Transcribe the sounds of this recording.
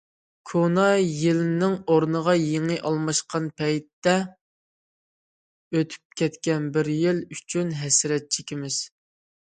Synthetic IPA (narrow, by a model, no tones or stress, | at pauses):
kʰonɑjelɪnɪŋoɾnəʁɑjeŋɨʔɑlˠmɑʃqʰɑnpʰɛjt̪ːɛ | øt̪ʰy̥p̚kʲɛt̪kʲɛnbɪɾjɪlyt͡ʃʰynɦɛsɪɾɛt̪̚t͡ʃʰekʲimɪz̥